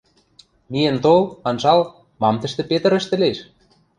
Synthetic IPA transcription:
mijĕnt̪olɑ̆nʒɑlˠ | mɑmt̪ə̆ʃt̪ĕpet̪ə̆ɾɘ̆ʃt̪ɘ̆leʃ

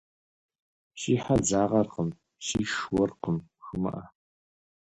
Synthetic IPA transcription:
ʃiːħad͡zaːʁɐrqəm | ʃiːʃwɔrqəmxɨmɐ̰ʔɐ

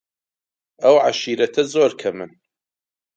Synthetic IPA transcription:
ɐwʕaʃiːɾɐt̪ʰɐzoːɾkʰɐmɨn

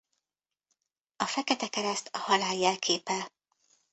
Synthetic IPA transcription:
ɒfɛkɛt̪ɛkɛɾɛst̪ɒhɒlaːjːɛlkʰeːpɛl

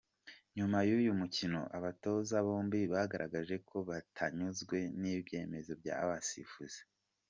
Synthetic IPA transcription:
ɲumajujumucino̞̰ʔaβato̞zaβoːmbiβahɡaɾʔaɡaʒe̞ko̞βatʰaɲuzɡwe̞nibɟe̞ːme̞zo̞b̚ɟa̰ːβasḭfuz̥e̥

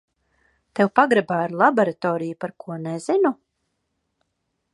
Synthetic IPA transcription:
t̪ewpaɡɾɛbaːiɾlˠabɔɾat̪ɔːɾijupaɾkʰuɔnezinu

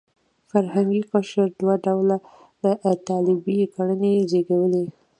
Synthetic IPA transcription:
faɾhaŋɡiqaʃəɾd̪waɖawla | d̪ət̪ɑlɪbikaɽənezeɡawəli

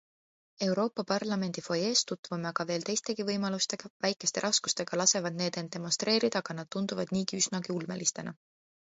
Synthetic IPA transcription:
e̞wɾo̞ːpːˑɑpɑrlɑme̞nʲd̪̥ifo̞je̞ːst̪ut̪ːvumɑɡ̥ɑve̞ːlt̪e̞jst̪e̞ɡivɤjmɑlust̪e̞ɡ̥ɑvæjkːˑe̞st̪e̞̰ɾɑsku̥st̪e̞ɡ̥ɑlɑse̞vɑd̪̥̚ne̞ːd̪end̪̥e̞most̪re̞ːɾid̪̥ɑːɡ̥ɑnɑd̪̥̚t̪und̪uvɑd̪̥niːɡiysnɑɡ̥iulme̞̰list̪e̞̰nɑ̰

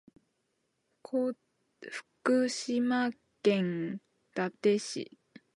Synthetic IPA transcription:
kʰo | ɸɯ̟̥kɯ̟ɕima | kẽ̞ŋ | d̪̥at̪e̞ɕḭ

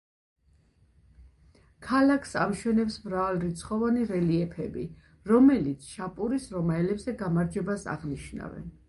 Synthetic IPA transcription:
kʰalakʰsamʃwɛnɛpsmɾavalɾit̪sʰχɔvaniɾɛliɛpʰɛbi | ɾɔmɛlit̪sʰʃapʼuɾisɾɔmaɛlɛbzɛɡamaɾd͡ʒɛbasa̰ʁniʃna̰vɛ̰n

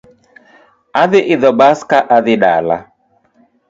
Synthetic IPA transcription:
aðɪʔɪðɔbaskaʔaðɪɗa̰la̰

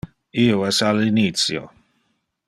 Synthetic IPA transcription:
ioɛsalinit̪sjo̰

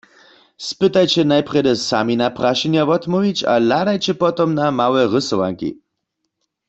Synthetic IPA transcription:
spɪt̪ajt͡ɕɛnajpʁɛdɛsaminapʁaʃɛnjavɔt̪mɔvit͡ɕa̰ladajt͡ɕɛpɔt̪ɔmnamawɛʁəsɔʋa̰ŋkḭ

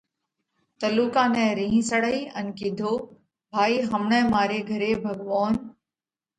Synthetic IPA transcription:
t̪əluːkãːnɛ̃ːɾĩːɦĩsəɽəiːənkid̪ʱoː | bʱaːiːɦəmɳɛ̃ːmaːɾeːɡʱəɾeːbʱəɡʋaːn

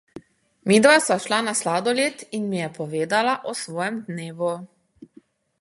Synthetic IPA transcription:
mid̪ʋasaʃlanaslaːd̪ɔleːt̪inmijɛpɔʋeːd̪alaʔɔsʋɔːjɛmd̪neːʋu

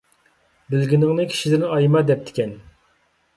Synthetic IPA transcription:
bɪlɡʲinɪŋnɨkʲʰi̥ʃid̪ɪnɑjmɑd̪ɛp̚t̪ʰɪ̥kʲɛn

